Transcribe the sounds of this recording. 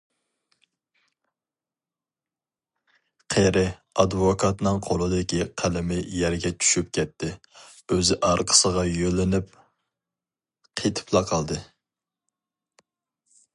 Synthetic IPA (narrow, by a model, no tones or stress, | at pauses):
qʰeɾɪɑd̪vokʰɑt̪nɨŋqʰolˠɨd̪ɪkʲiqʰælɪmɪjɛɾɡʲɛt͡ʃʰy̥ʃyp̚kʲʰɛt̪ʰːɪ | øzɪʔɑɾqʰə̥səʁɑjølɪnɪp̚ | qʰet̪ʰɪ̥pʰlˠɑqʰɑlˠd̪ɨ